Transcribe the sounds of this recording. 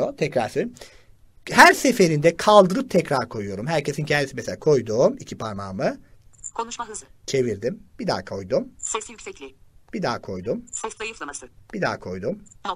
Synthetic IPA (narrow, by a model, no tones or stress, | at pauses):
ot̪ʰɛcɾaɾsi | hæɾse̞fe̞ɾind̪ɛkʰalˠd̪ɯɾɯp̚t̪ʰɛcɾaɾkʰo̞jujo̞ɾumɦæɾcʰe̞sincʰɛnd̪isimeselʲaːkʰo̞jd̪uːmicʰipʰaɾnaːmɯkʰonuʃaɯzt͡ʃʰe̞viɾd̪imb̥id̪a̰ːkʰo̞jd̪umsɛsijycʲsɛclʲib̥id̪aːkʰo̞jd̪umsɛsajɯfˠb̥id̪a̰ːkʰo̞jd̪um